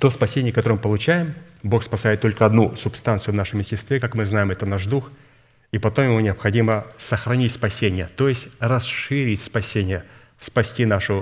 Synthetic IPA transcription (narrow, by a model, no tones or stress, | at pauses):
t̪o̞spɐsʲenʲɪjəkɐt̪oɾəmɨpəlˠʊt͡ɕæjɪm | bo̞xspɐsajɪt̪ːo̞lʲkəɐd̪nusʊpst̪ant̪sɨjʊvnaʂəmjɪsʲɪst̪vʲekakmɨznajɪmɛt̪ənaʐd̪ux | ipɐt̪o̞mjɪmunʲɪɐpxɐdʲiməsəxɾɐnʲitʲspɐsʲenʲɪjət̪o̞jɪsʲtʲrɐsʂɨɾʲɪtʲspɐsʲenʲɪjə | spɐsʲtʲinaʂʊ